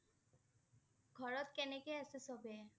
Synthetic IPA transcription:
kʰɔɾot̪kɛnekeasesɔbe

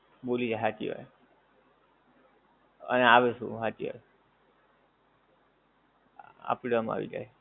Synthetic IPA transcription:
bolid͡ʒaɦat̪ḭɦɔ̰j | ə̰neaʋesṵ̃ɦat̪iɔ̰j | a̰pɽama̰ʋḭd͡ʒa̰j

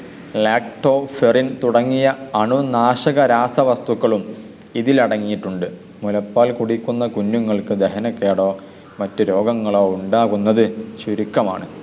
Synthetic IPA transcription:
leːkʈo̞ːferint̪uɽɐŋːijɐɐɳunaːʂɐɣɐɾaːst̪ɐʋɐst̪uɣːɐɭum | iðilɐɽɐŋːijiʈːuɳɖɨ | mulɐpːaːlkuɽikːunːɐkunːuŋːɐɭkɨd̪eɦɐnɐkːe̞ːɽo̞ː | mɐtːɨɾo̞ːɡɐŋːɐɭo̞ːuɳɖaːɣunːɐðɨɕuɾikːɐma̰ːɳɨ

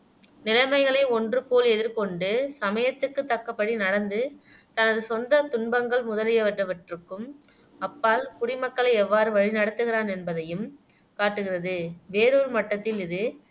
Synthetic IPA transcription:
nɪlɐɪmɐɪɣɐɭɐɪɔndrɯpoːlɛðɪɾkɔɳɖɯsɐmɐjɐt̪ːɯkːɯt̪ːɐkːɐpːɐɽinɐɽɐnd̪ɯ | t̪ɐnɐðɯsɔnd̪ɐt̪ʊɳbɐŋɡɐɭmʊðɐlɪjɐʋɐʈrɐʋɐʈrɯkːɯm | ɐpːaːlkʊɽɪmɐkːɐɭɐɪɛʋːaːɾɯʋɐɻinɐɽɯt̪ːɯɣɪraːnɛnbɐðɐjɯm | kaːʈːɯɣɪrɐðɯʋeːɾoɾɯmɐʈːɐt̪ːɪlɪðɯ

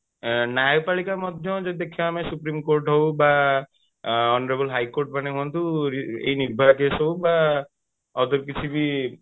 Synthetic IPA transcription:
nawpalikamɔd̪ʱjɔd͡ʒɔid̪ekʰiamesupɾimkoɾʈɦowba | ɔnɔɾebɔlɦajkoɾʈ̚panekʰɔnt̪uɾiḛjniɾbʱaɾkesɦɔwba | ɔd̪ɔɾkit͡ʃʰibi

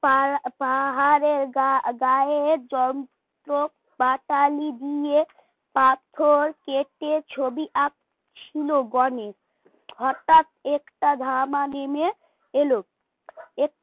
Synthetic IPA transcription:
papaɦaɾeɾɡaɡaeeɾd͡ʑɔn | t̪ɾo | baʈalid̪ije | pat̪ʰoɾkeʈet͡ɕʰobiʔak̚ | t͡ɕʰiloɡɔneɾ | hɔʈat̪ekʈad̪ʱamaneme | elo | ek̚

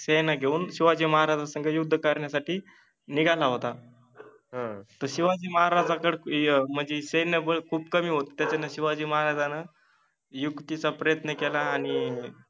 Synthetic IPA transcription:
sejnaɡʱeuːnɕiʋad͡ʑiːməɦaɾad͡zasəŋɡʱəjud̪ʱːəkaɾɳjasaʈiː | niɡʱalaɦot̪a | ɦt̪əɾɕiʋad͡ʑiːməɦaɾad͡zakəɽm̤əɳd͡zeɕenəbəɭkʰuːbkəmiːɦot̪t̪ːjat͡ɕanaɕiʋad͡ʑiːməɦaɾad͡zana | jukt̪it͡sapɾəjət̪nəkelaːɽ̃i

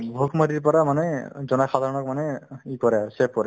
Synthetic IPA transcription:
bʱokʰmadiɹp̬ɔɹamanɛzɔnajxad̪ʱaɹɔnɔk̚manɛikɔɹɛasɛp̚kɔɹɛ

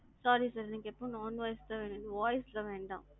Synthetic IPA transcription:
saːɾisaːɾniːŋɡɐɛpːõnɔːnʋaːjst̪ɐːʋeːɳɯnɯʋaːjslɐʋeːɳɖã̰ːm

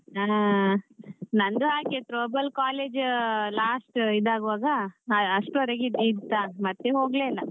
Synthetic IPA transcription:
aː | nɐnd̪uɦaːkeʈɾoːbɐlkaːleːd͡ʒlaːsʈid̪aːɡuʋaːɡɐːʂʈɔɾeɡid̪it̪ːaːmɐt̪ːeɦoːɡleːlːɐ

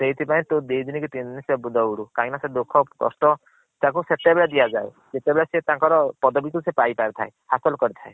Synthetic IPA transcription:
seɦit̪ʰipaĩt̪od̪ed̪inikut̪inisebud̪ɔuɽukaɦĩnased̪ukʰɔɔ̰st̪ɔ | t̪ãk̬uset̪ebeɭad̪ijad͡ʒae | d͡ʒet̪ebeɭaset̪ãŋkɔɾɔpɔd̪ɔbikusepajpaɾit̪ʰaehasɔlkɔɾit̪ʰae

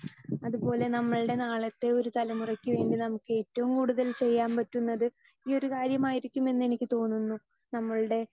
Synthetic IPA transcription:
ɐðupo̞ːle̞nɐmːɐɭɨɽe̞naːɭɐt̪ːe̞o̞ɾut̪ɐlɐmurɐkʲːɨʋe̞ːɳɖinɐmukːɨe̞ːtːɐʋumkuːɽuðɐlt͡ɕe̞jːaːmpɐtːunːɐðɨ | iːo̞ɾukaːɾjɐmaːjiɾikʲːume̞nːe̞nikʲːɨt̪o̞ːnːunːu | nɐmːɐɭɨɽe̞

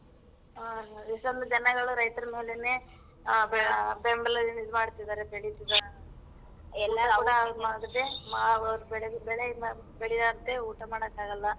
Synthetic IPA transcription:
isond̪ɐd͡ʒɐnɐɡɐɭuɾɐjt̪ɐɾɐmɐɦilene | bembɐlɐlːimid̪maːɽut̪ːid̪aːɾebeɭit̪ːid̪aɾ | ɛlːɐkuːɽɐmaːɡɐd̪emaɐɾubɛɭebɛɭe | beɭid̪aːɡɐt̪ːeuːʈɐmaːɽɐkːaːɡɐlːɐ

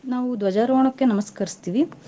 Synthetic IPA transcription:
naːʋud̪ʋɐd͡ʒaːɾoɐɳɐkːenɐmɐskɐɾist̪iːʋi

